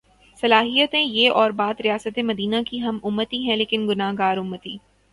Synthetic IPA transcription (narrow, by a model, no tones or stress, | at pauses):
sɐlaːɦijət̪ɛ̃jeʔɔːɾbaːd̪ɾijaːsət̪emɐd̪iːnakiɦɐmʊmːət̪iɦɛ̃leːkɪnɡʊnaːɦɡaːɾʊmːət̪iː